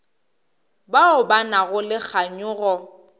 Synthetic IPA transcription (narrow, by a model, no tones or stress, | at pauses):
baʊbanaɣʊlɪk͡xʰaɲʊːɣɔ